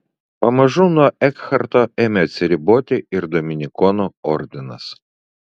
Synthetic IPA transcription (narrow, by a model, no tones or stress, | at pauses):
pɐmɐʒʊnuɔʔɛkxɐɾt̪oɛmʲɛt̪sʲɪɾʲɪbot̪ʲɪɪɾd̪ɔmʲɪnʲɪkɔnɔɔɾʲd̪ʲɪnɐs